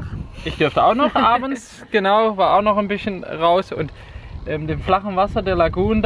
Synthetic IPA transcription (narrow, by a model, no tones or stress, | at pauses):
ʔɪçd̥ʏɐftəaʊxnɔχʔʔaːbn̩s | ɡ̥ənaʊvaːɐʔaʊxnɔχanbɪsçənʁaʊsʊ̰nt | ʔɛːmdeːmflaχn̩vasɐdeːɐlaɡuːnnə